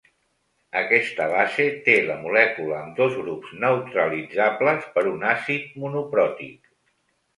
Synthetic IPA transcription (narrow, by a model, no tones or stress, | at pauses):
əkɛst̪əβazet̪eləmulɛkuləːmd̪ozɣɾupznəwt̪ɾəlid͡zabləspəɾunasit̪̚munupɾɔt̪ḭk